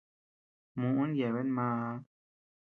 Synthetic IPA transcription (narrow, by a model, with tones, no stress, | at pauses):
mũ˨ʔu˦n˦jɛ˨βɛ˦nmãː˦˧˦